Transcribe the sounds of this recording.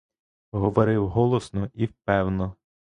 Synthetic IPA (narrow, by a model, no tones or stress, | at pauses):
ɦɔʋɔɾɪwɦɔlˠɔsnɔiwpɛwnɔ